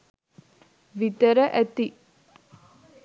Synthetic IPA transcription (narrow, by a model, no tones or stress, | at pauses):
ʋit̪ɐɾɐʔɛt̪i